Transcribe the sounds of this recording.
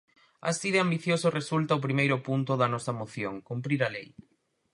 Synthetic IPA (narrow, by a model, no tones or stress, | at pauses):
a̰siðeambiθjosʊresult̪ɐʊpɾimejɾʊpunt̪ʊðɐnɔsɐmoθjoŋkumpɾiɾɐlej